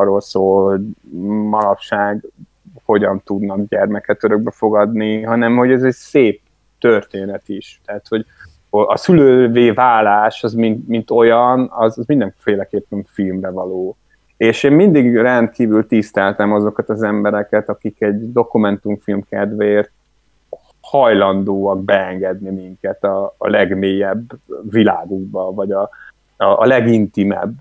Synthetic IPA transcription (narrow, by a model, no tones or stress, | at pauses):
rːoːlsoːlho̞ɟmɒlɒpʃaːɡ | ho̞ɟɒnt̪ud̪nɒɡɟɛrmɛkɛt̪øɾøɡ̚bɛfo̞ɡɒd̪niɦɒnɛmho̞ɟɛzɛɟseːp̚ | t̪ørt̪eːnɛt̪iʃt̪ɛːt̪ho̞ɟ | oɒ̰syløːveːvaːlːaːʃɒzmint̪mint̪o̞jɒnɒzɒzmind̪ɛɱfeːlɛkeːpːɛɱfilmrɛvɒloː | eːʃeːmmind̪iɡrɛnt̪̚kiːvylt̪ist̪ɛlt̪ɛmɒzo̞kɒt̪ɒzɛmbɛɾɛkɛt̪ɒkikɛɟd̪o̞kumɛnt̪uɱfilmkɛd̪vɛeːrt̪ | hɒjlɒnd̪oːɒɡbɛɛŋɡɛd̪nimiŋkɛt̪ɒ̰ːlɛɡmeːjɛbːvilaːɡuɡ̚bɒvɒɟɒ | ɒ̰ːlɛɡint̪imɛ̰b